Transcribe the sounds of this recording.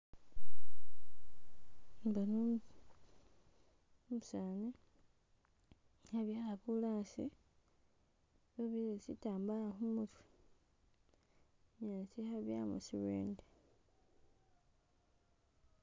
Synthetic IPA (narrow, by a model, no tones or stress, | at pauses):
mbano | musaːne | haβjaːlakulaːsi | βoβiesitaːmbaaxumutwi | ɲaːsihaβja̰ːmṵsiwḛːnde